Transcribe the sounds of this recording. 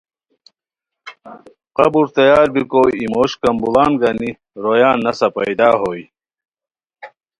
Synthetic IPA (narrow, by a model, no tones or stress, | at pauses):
qɐbuɾt̪ɐjaːɾbikoːimoːɕkɐmbulaːnɡɐni | ɾojaːnːɐsɐpɐjd̪aːɦoːj